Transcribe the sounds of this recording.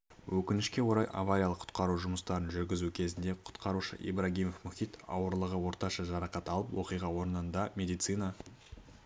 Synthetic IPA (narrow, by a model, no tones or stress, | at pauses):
wʔɵkʲɪnɪʃkʲe̞wo̞ɾɑjʔa̰vaɾʲijalˠəqʰʊ̥t̪̚qɑɾuʒʊməst̪ɑɾənʒʏɾɡʲɪzukʲʰe̞zɪnd̪e̞qʰʊ̥t̪qɑɾuʃə̰ʔḭbɾaɡʲijme̞fmʊxʲit̪ɑ̰wəɾlˠəʁəwo̞ɾt̪ɑʃɑʒɑɾɑqɑt̪ɑlˠəpwo̞̰qijʁɑwo̞ɾənənd̪ɑmʲe̞d̪ijt̪sɨjnɑ